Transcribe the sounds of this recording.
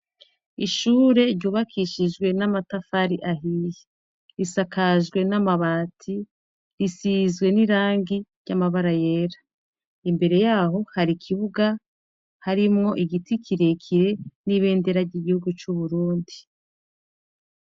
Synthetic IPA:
iʃuːɾe̞ɾɟuːβakʰiʃid͡ʒɡwe̞namatafaɾiʔaɦije | ɾisakaʒɡwe̞namaβaːtʰi | ɾisizɡwe̞niɾaːŋɡiɾɟamaβaɾaje̞ːɾḁ | imbe̞ɾe̞jaːɦo̞haɾikʰiβuɡa | haɾimŋo̞ʔiɡitikʰiɾe̞kʰiɾe̞niβe̞ːnde̞ɾaɾɟiɡihuɡut͡ʃuβuɾuːndi

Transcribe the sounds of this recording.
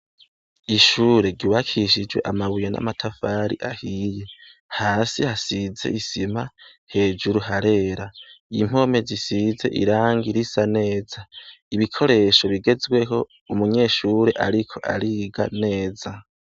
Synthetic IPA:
iʃuːɾe̞ɡuβakʰiʃid͡ʒwe̞̰ʔamaβujana̰matʰafaːɾḭʔahije̞ | haːsihasize̞̰ʔisimahe̞ːd͡ʒuɾuhaɾe̞ːɾaim̥o̞me̞zisize̞̰ʔḭɾaːŋɡiɾisane̞ːzaiβikʰo̞ɾe̞ʃo̞βiɡe̞zɡwe̞ɦo̞ | umuɲe̞ːʃuːɾe̞ʔaɾikʰo̞ʔa̰ɾiːɡa̰ne̞ːza

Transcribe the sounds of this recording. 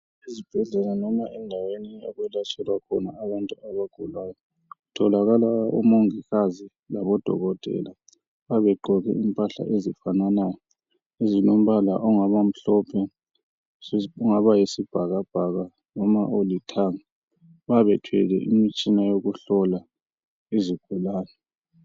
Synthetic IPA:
izib̥ʱɛɮɛlanɔmaʔɛndʱawenija̰ɣwɛlat͡ʃʼɛlwakʰɔna̰ːβantʼuaβaɡ̥ʱulwaːjɔ | utʰɔlaɣalaṵmoŋiɣazi | laβɔd̥ʱɔ̰ɣɔtʼɛ̰la | βaβɛɡ͡ǃʱɔɣɛ̰impʼaɬa̰ʔezifananajɔ | ezinom̩βala̰ʔɔŋaβam̩ɬɔpʰɛ | uŋaβajisib̥ʱaɣab̥ʱaɣa | nɔmaolitʰaːŋa | βaβɛtʰwɛ̰lɛ̰ʔimit͡ʃʼinajoɣuɬɔla | eziɡ̥ʱulaːnɛ

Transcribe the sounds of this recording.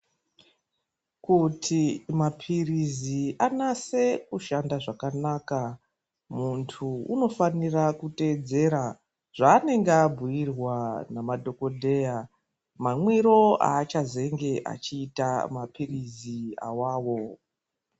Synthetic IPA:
kutʰimapʰirizianase̞kuʃandaʐakanaːka | muntʰuuno̞fanirakute̞ːd͡ze̞ɾa | ʐ̥aːne̞ŋɡeabʱujirwanamadʱo̞ko̞dʱe̞ːja | mamwiɾo̞a̰ːt͡ʃaze̞ŋɡe̞ʔa̰t͡ʃiːtamapirizia̰waːwo̞

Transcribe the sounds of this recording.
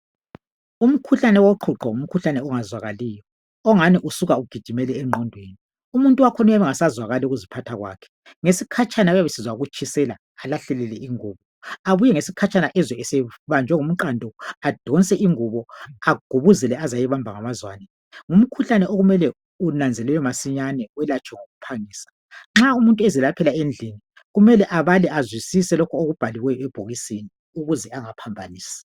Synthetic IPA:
um̩kʰuɬanɛwɔǃʰuǁɔum̩kʰuɬanɛɔŋazwaɣalijɔ | ɔŋaniʔusuɣauɡ̥ʱid̥ʱimɛlɛːŋ͡ǃɔndʱweːni | umuntʼuwakʰɔnujaβɛŋasazwaɣaliuɣuzipʰatʰaɣwa̰ːkʰɛ̥ | ŋesikʰat͡ʃʰʼanaujaβesizwauɣut͡ʃʰʼisɛlaːlaɬɛlɛlɛiŋuːβɔ | aβujɛŋesikʰat͡ʃʼanaʔɛzwɛɛsɛβand͡ʒʱɛŋum̩ǃandʱɔad̥ʱɔnt͡sʼɛʔiŋuβɔaɡ̥ʱuβuzɛlɛazajɛβambʱaŋamazwaːnɛ | ŋum̩kʰuɬanɛʔoɣumɛlɛ | unand͡zʱɛlɛjɔmasiɲanɛwɛlat͡ʃʰʼwɛŋoɣupʰaŋiːsḁ | ŋ͡ǁaumuntʼuɛzilapʰɛlaend͡ɮʱini | ɣumɛlɛʔaβalɛazwisisɛlɔkʰɔoɣub̥ʱaliwɛjɔɛb̥ʱoɣiseni | uɣuzɛaŋapʰambʱaniːsi̥

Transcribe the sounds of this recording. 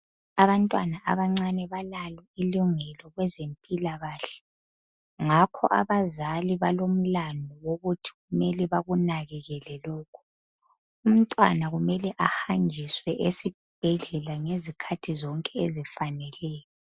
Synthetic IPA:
aβantʼwanaʔa̰βaŋ͡ǀanɛβalalwɛiluŋɛlɔɣwɛzempʼilaɣaːɬɛ̥ | ŋakʰɔ̰ʔa̰βazaliβalom̩landʱɔwoɣutʰi̥ɣumɛliβaɣunaɣɛɣɛlɛlɔːkʰu̥ | um̩tʼwa̰naɣumɛlɛʔaxand͡ʒʱiswɛʔesi | b̥ʱɛɮɛlaŋezikʰatʰizɔŋkʼɛezifanɛlɛːjɔ

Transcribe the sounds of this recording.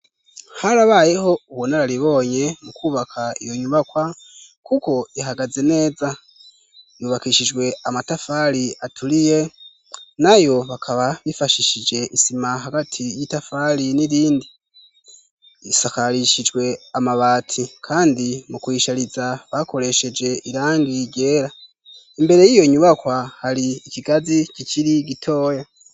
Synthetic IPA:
haɾaβaːje̞ho̞uβonaɾaɾiβo̞ːɲe̞mukuːβakʰaijo̞ɲuβakwa | kuko̞iɦaɡaze̞ne̞ːza | juːβakiʃid͡ʒɡwe̞amatafaliatʰulije̞ | najo̞βakʰaβaβifaʃiʃid͡ʒe̞ʔisimaɦaɡatʰijitafaliniɾiːndi | isakaɾiʃid͡ʒwe̞amaβaːtʰikʰaːndimukwiːʃaɾizaβako̞ɾe̞ʃe̞d͡ʒe̞ʔiɾaːŋɡiɟe̞ːɾa | imbe̞ɾe̞jijo̞iɲuβakwahaɾiːciɡazicicʰiɾiɡitʰo̞ːja

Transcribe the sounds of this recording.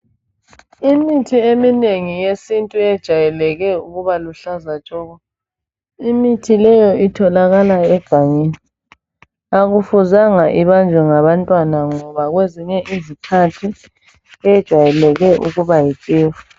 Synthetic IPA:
imitʰiemineŋijesintʼuɛd̥ʒ̥ʱajɛlɛɣɛuɣuβaluɬazat͡ʃʼɔːɣɔ | imitʰilɛjɔitʰɔlaɣalaɛɡ̥ʱaŋeni | aɣufuzaŋaʔiβand͡ʒʱwɛŋaβantʼwanaŋɔβaɣweziɲɛʔizikʰatʰi | ɛjɛd̥ʒ̥ʱajɛlɛɣɛʔṵɣuβajikʼeːfu̥

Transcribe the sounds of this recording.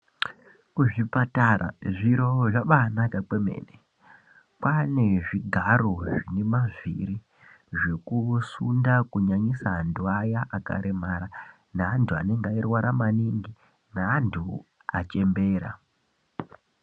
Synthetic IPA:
kuʐipatarʔa̰ʐiɾo̞ʐaɓanakak͡pemḛːne | kwaneʐiɡʱaroʐine̞maviɾi | ʐe̞kusundakuɲaɲisanduajaʔaka̰ɾʔe̞maɾa | naːntʰua̰ne̞ŋɡairwaɾamaniŋɡi | naːntʰu | at͡ʃe̞mbe̞ːɾa̰

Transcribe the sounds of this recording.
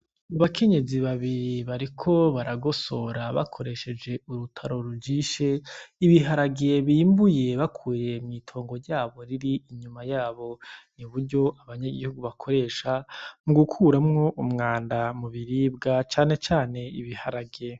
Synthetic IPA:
aβakʰe̞ɲe̞ziβaβiɾiβaɾikʰo̞βaɾaɡo̞so̞ɾaβa̰kʰo̞ɾe̞ʃe̞d͡ʒe̞uɾutʰaɾo̞ɾuɟiːʃeiβiɦaɾaɡe̞βiːmbuje̞βakʰuːje̞mŋiːtʰo̞ːŋɡo̞ɾɟaːβo̞ɾiɾiiɲumajaːβo̞nuβuɾɟo̞ʔaβaɲaɡihuɡuβakʰo̞ɾe̞ːʃamuɡukʰuɾamŋo̞ʔumŋaːndamuβiɾiːbɡat͡ʃaːne̞t͡ʃaːne̞iβihaɾaɡe

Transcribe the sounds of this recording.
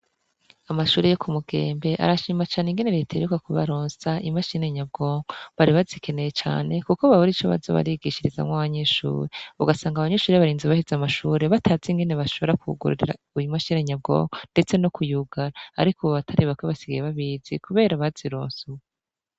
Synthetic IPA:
amaʃuːɾejo̞kʰumuɡe̞̰ːmbe̞ʔa̰ɾaʃiːmat͡ʃaːneŋɡe̞ne̞ɾetʰaɾukakuβa̰ɾoːnsaʔimaʃine̞ɲabɡo̞ːŋoβaɾiβazikʰe̞ne̞jet͡ʃa̰ːne̞kukoβaβuɾit͡ʃoβa̰zo̰βa̰ɾiɡiʃiɾiza̰mŋwaβaɲe̞ʃṵːɾeuɡasaːŋɡaβaɲe̞ʃuːɾeβaɾiːnziβahizamaʃuːɾe̞βatʰaːziŋɡe̞neβaʃo̞βɾakuuɡṵɾṵɾḭɾa̰ | ujumaʃiːneɲab̚ɡo̞̰ːŋonde̞t͡se̞no̞kʰujuɡaɾa̰ːɾikuββatʰaɾiβakweβasiɡajeβaβizikuβe̞ːɾaβaziɾo̰ːnsuwe

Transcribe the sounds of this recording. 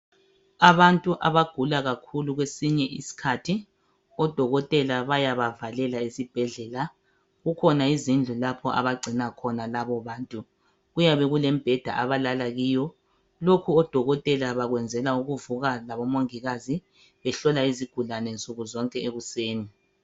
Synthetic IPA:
aβantʼuʔaβaɡ̥ʱulaɣakʰuluɣwesiɲɛʔisi̥kʰatʰi | ɔd̥ʱɔɣɔtʼɛlaβajaβavalɛlaesib̥ʱɛɮɛla | ɣukʰɔnaizind͡ɮʱulapʰɔʔa̰βaɡ͡ǀʱinakʰɔnalaβɔβaːntʼu | ɣujaβɛɣulɛmb̥ʱɛd̥ʱa̰ʔaβalalaɣiːjɔ | lokʰuɔd̥ʱɔɣɔtʼɛlaβaɣwɛnd͡zʱɛlauɣuvuɣalaβɔmoŋiɣazi | βɛɬɔlaiziɡ̥ʱulanɛnt͡sʼuɣuzɔŋkʼɛeɣuseːni

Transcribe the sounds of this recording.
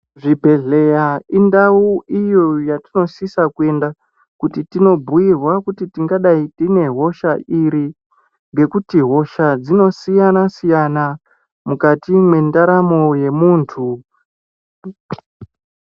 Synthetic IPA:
ʐibʱe̞ɮe̞jaindauʔijojatino̞sisakue̞nda | kutitino̞bʱuirwakutitiŋɡaɗaitine̞ɦo̞ʃaʔiɾi | ŋɡe̞kutiɦo̞ʃad͡zino̞sijanasijana | mukatimwe̞ndaɾamo̞je̞muːntʰu

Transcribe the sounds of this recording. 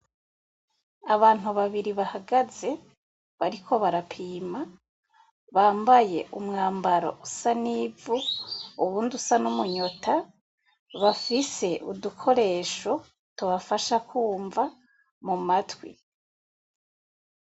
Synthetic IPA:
aβaːn̥uβaβiɾiβahaɡaze̞ | βaɾikʰo̞βaɾapʰiːma | βaːmbaje̞ʔumŋaːmbaɾo̞̰usaniːvuːβuːndusanumuɲo̞tʰa | βafise̞ʔudukʰo̞ɾe̞ːʃo̞ | tuβafaʃakuːɱva | mumatwḭ

